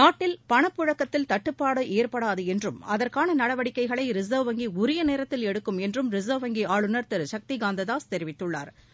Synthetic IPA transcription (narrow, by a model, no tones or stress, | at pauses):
naːʈːɪlpɐɳɐpːʊɻɐkːɐt̪ːɪlt̪ɐʈːɯpːaːɽɯʔeːɾpɐɽaːðɯɛndrɯmɐðɐrkaːnɐnɐɽɐʋɐɽɪkːɐɪɣɐɭɐɪɾɪzɐʋʋɐŋɡiʊɾɪjɐneːɾɐt̪ːɪlɛɽɯkːɯmɛndrɯmɾɪzɐʋʋɐŋɡiaːɭɯnɐɾt̪ɛɾʃɐk̚t̪iɡaːnd̪ɐðaːst̪ɛɾɪʋɪt̪ːɯɭːa̰ːɾ